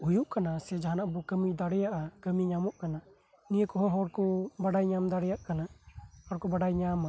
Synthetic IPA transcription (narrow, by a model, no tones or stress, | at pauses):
ujuʔkanasɛd͡ʒaɦanaʔbɔkəmid̪aɽɛjaʔakəmiɲamɔʔkana | nijəkɔɦɔ̃ɦɔɽkɔbaɖajɲamd̪aɽɛjaʔkanahɔɽkɔbaɖajɲama